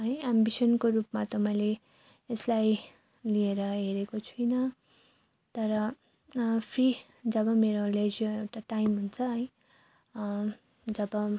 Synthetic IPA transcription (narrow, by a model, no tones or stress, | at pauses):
ɦʌjambisʌnkoɾupmat̪ʌmʌjle | eslaj | lieɾʌɦeɾekot͡sʰujnʌ | t̪ʌɾʌ | pʰri | d͡zʌbʌmeɾoled͡ziaewʈaʈajmɦunt͡sʰʌɦʌj̃ | d͡zʌbʌ